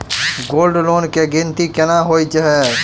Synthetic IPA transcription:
ɡoːlɖloːnkeɡɪ̃nt̪ikɪnaɦoːit͡ʃəɦɛː

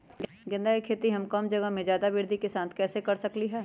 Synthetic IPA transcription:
ɡ | ɡɪ̃nd̪ʱaːikʰeːt̪iɦɐmkɐmd͡ʒɐɡəɦmẽd͡ʒjaːd̪aʋɪɾd̪ʱikesãːnt̪ʰkɛːsekɐɾsɐkliɦɛː

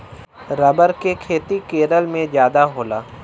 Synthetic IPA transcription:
ɾɐbəɾkekʰeːt̪ikeːɾəlmẽd͡ʒjaːd̪aɦoːlaː

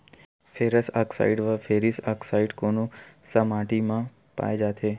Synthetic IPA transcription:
fʰeɾəsaksa̰iɖʋafeɾisaksaiɖkonũsəmaʈimã | pa̰jd͡ʒat̪ʰe

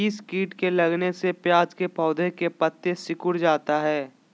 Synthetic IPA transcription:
ɪskiːʈkelɐɡnesepjaːd͡ʒkepɔːd̪ekepət̪ːesɪkʊɽd͡ʒaːt̪aɦɛː

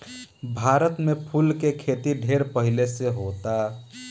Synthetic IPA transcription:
bʱaɾət̪mepʰulkekʰet̪iɖʱeɾpəɦileseɦot̪a

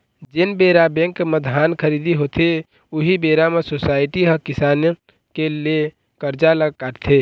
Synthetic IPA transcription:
d͡ʒɪnbeɾabɛ̃ŋkməd̪ʱaːnkʰəɾiːd̪iɦot̪e | ʊɦibeːɾamesoːsaːɪʈiɦəkɪsaːn | kele | kəɾd͡ʒaləɡkaɾt̪ʰe

